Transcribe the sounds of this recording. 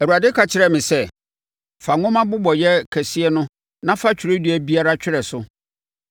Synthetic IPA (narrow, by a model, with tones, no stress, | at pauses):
æ˨wu˨a˨dɪ˦kʰa˨t͡ɕʰɪ˨ɾɛ˦mɪ̃˨sɛ˦ | fa˨ŋʊ̃˦mã˦bʊ˦bɔ˨jɛ˦kʰæ˨si˦ɛ˦nʊ̃˦ | nã˦fa˦t͡ɕʰᶣi˨ɾe˦di˨˦æ˨bi˦a˦ɾa˦t͡ɕᶣɪ˦ɾɛ˨sʊ˦